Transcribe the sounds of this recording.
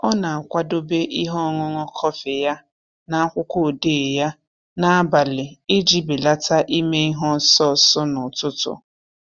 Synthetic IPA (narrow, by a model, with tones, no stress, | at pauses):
ɔ˦na˨a˨kʷa˦do˦be˦ʔi˦ɦɔ˦˨ŋɔ˦ŋɔ˦kʰɔ˦fɪ˨ja˦ | na˦a˦kʷʊ˦ko˦˨de˦˨ja˦ | na˦a˦ba˨lɪ˨ɪ˦d͡ʒi˦˨bi˨la˦tʰa˦ʔi˦me˦i˦ɦɔ˦sɔ˦˨sɔ˦nʊ˨tʊ˦tʊ̰˨